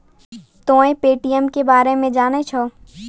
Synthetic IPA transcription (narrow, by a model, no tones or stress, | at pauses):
t̪õːẽpeːʈijəmkebaːɾemẽd͡ʒaːnet͡ʃʰɔː